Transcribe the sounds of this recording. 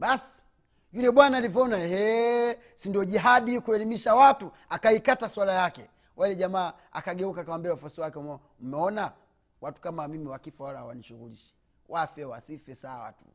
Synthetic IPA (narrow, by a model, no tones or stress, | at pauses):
ɓasi̥ | julɛɓwanaːlivɔɔnaɛhɛ | sindiɔʄiɦaɗikuɛlimiʃawatu | akaikataswalajakɛ | wʔalɛʄamaː | a̰kaɡɛukakawambiaufɔsiwakɛm | m̩mɛɔna | watu̥kamamimiwakifawalawa̰niʃuɣuliʃɛ̥ | wʔafɛwa̰sifɛsawa̰tu̥̰